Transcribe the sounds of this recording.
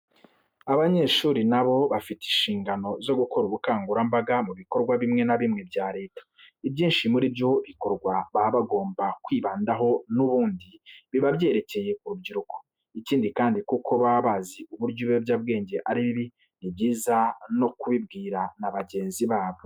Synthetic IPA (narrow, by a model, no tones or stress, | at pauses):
aβaɲe̞ʃuːɾinaβo̞βafiti̥nʃiːŋɡano̞zo̞ɡuko̞ɾuβukaːŋɡuɾambaɡamuβiko̞ɾɡwaβimŋe̞naβimŋe̞bɟaːɾe̞ːtḁ | ibɟiːnʃimuɾibjo̞βiko̞ɾɡwaβaβaɡo̞ːmbakwiːβaːndaɦo̞nuβuːndiβiβabje̞ːɾe̞ce̞je̞kuɾubɟiɾuko̥ | iciːndikaːndikukʰo̞βaβaːziuβuɾɟoβobjaːb̚ɡe̞ːɲɟe̞ʔaɾiβiβi | nibɟiːzano̞kuβibɡiːɾanaβaɟe̞ːnziβaːβo̞